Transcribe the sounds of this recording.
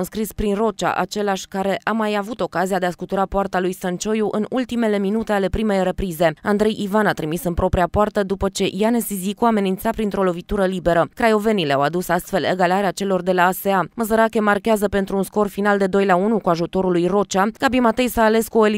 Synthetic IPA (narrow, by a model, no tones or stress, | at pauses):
ɨnskɾispɾinro̞t͡ʃa̰ʔa̰t͡ʃe̞laʃʲkaɾe̞ʔamajavut̪o̞kaziad̪easkut̪uɾapoart̪alujsənt͡ʃo̞juʔɨnult̪ime̞le̞minut̪e̞ale̞pɾime̞jre̞pɾize̞and̪ɾe̞jʔivanat̪ɾimisɨnpɾo̞pɾiapoart̪əd̪upət͡ʃe̞janesizikuame̞nint̪sapɾint̪ɾo̞lo̞vit̪uɾəlibe̞ɾəkɾajo̞ve̞nilea̰wad̪usast̪fe̞lḛɡalaɾeat͡ʃe̞lo̞rd̪e̞laːse̞aməzəɾakʲe̞markʲeazəpe̞nt̪ɾuːnsko̞rfinald̪e̞d̪o̞jlaunukuaʒut̪o̞ɾulujro̞t͡ʃaɡ̥abimat̪e̞jsaːle̞skuo̞eli